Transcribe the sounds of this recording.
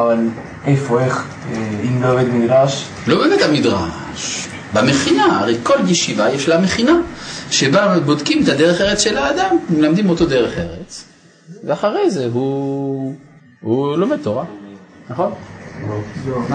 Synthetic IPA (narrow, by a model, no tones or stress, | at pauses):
aval | ejfoeχ | imloeved̪miɡʁaʃ | lo̞beːmet̪amid̪ʁa̰ | ʃ | bameχinaaʁejko̞ljeʃivajeʃlameχinaʃebabod̪kimetad̪eʁeχeʁet͡sʃe̞laːd̪ammelamd̪imo̞t̪o̞d̪eʁeχḛʁet͡s | veaχaʁejzeɦu | hulomed̪̚t̪oʁanaχon